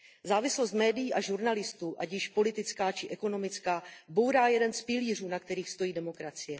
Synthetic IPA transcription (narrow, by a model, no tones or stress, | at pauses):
zaːvɪslo̞st̪mɛːdɪjiːʔaʒuɾnalɪst̪uːʔaɟjɪʃpo̞lɪt̪ɪt͡skaːt͡ʃɪʔɛko̞no̞mɪt͡skaːbo̞wɾaːjɛdɛnspɪliːruːnak̚t̪ɛɾiːxst̪o̞jiːdɛmo̞kɾat͡sɪjɛ